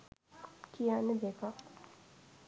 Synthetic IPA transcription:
kijanəd̪eka

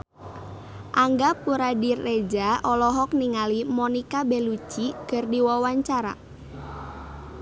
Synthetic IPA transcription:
ʔaŋɡapuɾadirːed͡ʒaɔlɔɦɔk̚niŋalimɔnikabelut͡ʃiɡ̥ərdiwawaɲt͡ʃaɾa̰

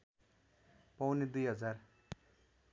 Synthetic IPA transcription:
pʌwned̪ujɦʌd͡zar

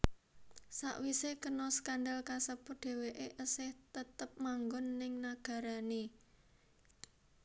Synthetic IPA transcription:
sa̰ʔwisekənɔskanɖalkasəpʊɖ̥e̤weʔeʔəsɪht̪ət̪əp̚maŋɡʊnːɪŋnaɡ̥ä̤ɾani

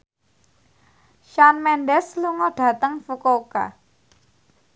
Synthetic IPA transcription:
ʃanmɛnɖɛsluŋɔɖ̥ä̤t̪əŋfukoka̰

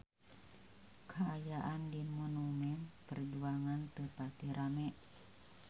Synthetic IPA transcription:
kʰaajaʔandimɔnumɛnpərd͡ʒuaŋant̪əpat̪iɾʔamɛʔ

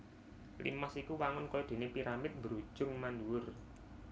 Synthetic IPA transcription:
lḭmasikuwaŋʊnkɔjod̪̥e̤nepiɾamɪt̪̚mbəɾu̥d͡ʒ̥ʊ̤ŋmanduwʊr

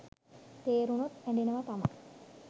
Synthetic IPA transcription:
t̪eːɾunut̪æɳɖinəʋat̪ama̰

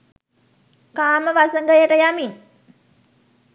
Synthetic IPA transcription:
kaːməʋasəŋɡəjəʈəjamin

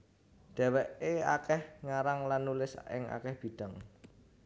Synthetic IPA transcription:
ɖ̪̥ɛ̤wɛʔea̰kɛhŋaɾaŋlanːulɪsɪ̰ŋa̰kɛhb̥i̤ɖ̥aŋ

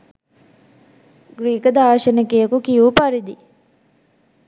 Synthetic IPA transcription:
ɡɾiːkəd̪aːʃənəkejəkukijupaɾid̪i

